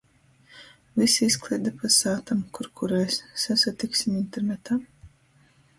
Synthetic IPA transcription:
visiisklˠiːd̪apasaːt̪amkuɾkʰuɾɛjsːasat̪iksʲimint̪eɾnet̪aː

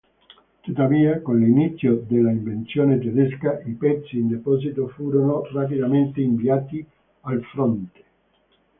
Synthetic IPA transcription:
t̪ut̪ːaviːakonlinit̪sːjod̪elːaiɱvent̪sjoːnet̪ed̪ɛskaipɛt̪sːiːnd̪epɔːzit̪ofuːɾonorapid̪ament̪eiɱviaːt̪i | alfɾɔnt̪e̥

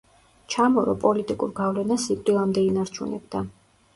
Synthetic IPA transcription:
t͡ʃʰamɔɾɔpʼɔlit̪ʼikʼuɾɡavlɛnasikʼt̪ʼilˠamd̪ɛinaɾt͡ʃʰunɛ̰b̚d̪a

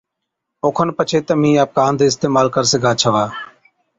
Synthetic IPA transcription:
oːkʰənpət͡ʃʰeːt̪əmĩːaːp̚kaːnd̪eːɪst̪eːmaːlkəɾsəɡaːt͡ʃʰəʋaː

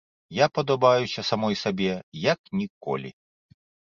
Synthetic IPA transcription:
japɐd̪ɐbajusʲɐsamɔjsabʲɛjɐknʲikɔ̰lʲḭ

